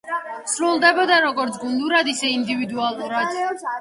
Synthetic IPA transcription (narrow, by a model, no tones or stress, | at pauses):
sɾulˠd̪ɛbɔd̪aɾɔɡɔɾt̪sʰɡund̪uɾad̪isɛind̪ivid̪ualˠuɾad̪̥